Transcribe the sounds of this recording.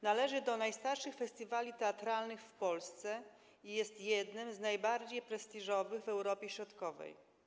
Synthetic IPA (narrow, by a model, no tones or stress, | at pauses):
nalɛʐɘd̪ɔnajst̪aɾʂɘxfɛst̪ʲivalʲit̪ɛat̪ɾalnɘxfpɔlst̪sɛ | ijɛst̪jɛd̪nɘmznajbaɾd͡ʑejpɾɛst̪iʐɔvɘɣvɛwɾɔpʲjɛɕɾɔt̪kɔvɛ̰j